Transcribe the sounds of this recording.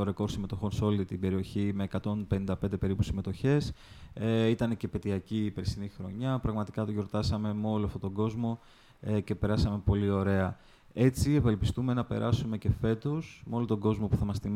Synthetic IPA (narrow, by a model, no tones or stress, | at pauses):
oɾeko̞ɾsime̞t̪o̞xo̞nseolt̪it̪ibe̞ɾio̞çime̞ːkɐt̪o̞npe̞nind̪ɐpend̪e̞pe̞ɾipusime̞t̪o̞çe̞s | it̪ɐnece̞pe̞t̪iɐciːpeɾsinixɾo̞̰ɲɐpɾɐɣmɐt̪i̥kɐt̪oʝo̞ɾt̪ɐsɐme̞meo̞loɐft̪ot̪o̞ɡo̞zmo̞ | ece̞pe̞ɾɐsɐme̞po̞lio̞ɾe̞ɐ | e̞t͡sievelpist̪ume̞nɐpe̞̰ɾʔɐ̰sume̞ce̞fe̞t̪osmeo̞lot̪o̞ɡo̞zmopuθɐmɐst̪im